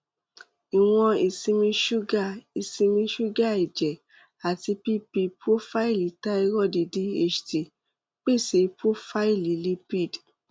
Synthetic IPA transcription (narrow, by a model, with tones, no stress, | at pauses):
i˨w̃ɔ̃˧i˨sĩ˧mĩ˧ʃu˦ɡa˦˨i˨sĩ˧mĩ˧ʃu˦ɡa˦˨i˨d͡ʒɛ˨ | a˨ti˧pi˦pi˧pɾo˦fa˦i˦˨li˨˦ta˦i˧˦ɾɔ˦˨di˧di˦e˦t͡ʃti˧˨ | k͡pe˦˨se˨˧pɾo˦fa˦i˦˨li˨˦li˧˦pi˦˨d